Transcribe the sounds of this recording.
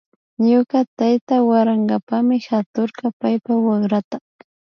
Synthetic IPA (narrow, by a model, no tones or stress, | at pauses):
ɲʊɢat̪ajt̪awaɾaŋɢapamɪhat̪oɾɢɑpajpawɑχɾat̪a